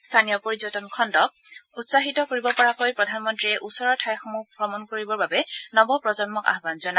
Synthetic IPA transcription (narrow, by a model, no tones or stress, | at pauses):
st̪ʰanijɔpoɹizɔtɔnkʰɔndɔk̚utsaɦitɔkoɹibɔpɔɹakojpɹɔdʱanmɔntɹiɛʔusɔɹɔtʰajxɔmupɹɔmɔnkoɹibɔɹbabɛnɔbɔpɹɔzɔnmɔka̰ɦbanzɔna